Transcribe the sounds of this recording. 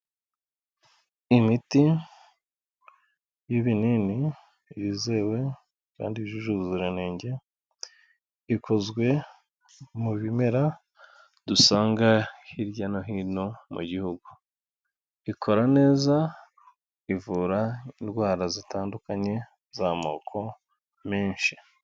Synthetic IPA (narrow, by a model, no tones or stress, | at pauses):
imiti | jiβinini | βiːze̞ːwe̞ | ka̰ːndiβiʒuʒuβuziɾeneːɲɟe̞ | ikʰo̞zɡwe̞ | muβime̞ɾa | dusaːŋɡahiɾɟano̞ɦiːno̞mṵɟihuɡu | ikʰo̞ɾane̞ːza | ivuːɾaindwaːɾazitʰaːndukaɲe̞ | zama̰okʰo̞ | meːnʃi